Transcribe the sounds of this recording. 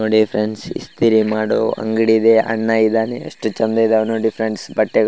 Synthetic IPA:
oɖipʰɾensḭst̪iɾimaːɽoɐ̰ŋɡiɽid̪eʔɐ̰ɳːaːjid̪aːneɐ̰ʂʈut͡ʃɐnd̪ɐid̪eɐʋnoɖipʰɾeɳsbɐʈːeɡ

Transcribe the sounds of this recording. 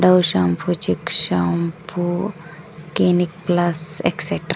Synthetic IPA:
ɖɐwʃɐmpʰut͡ʃikʃɐmpʰu | kinik̚plɐsḛkseʈɾ

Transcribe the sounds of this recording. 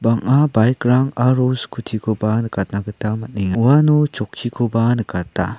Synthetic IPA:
baŋabajk̚ɾaŋaɾoskʰutʰikʰɔbanɯkat̚naɡɯtamat̚niŋauwanɔt͡ʃɔkʰːikʰɔbanɯkatːa̰

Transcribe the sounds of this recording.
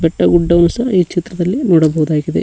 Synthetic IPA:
beʈːɐɡuɖːɐʋnusɐiːt͡ʃit̪rɐðɐlːinuːɽɐboːd̪aːkiðḛ

